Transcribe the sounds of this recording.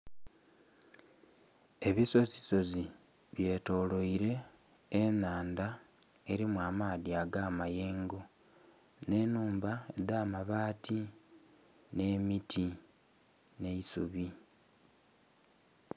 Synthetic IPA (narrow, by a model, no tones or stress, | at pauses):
e̞βiso̞ziso̞zi | βje̞ːto̞ːlo̞iɾe̞ː | naːnda | e̞ɾimwaːmaːðiaɡaːmaje̞ːŋɡo̞ | ne̞ːnuːmbae̞̰daːmaβaːti | ne̞ːmitʰi | ne̞isuβi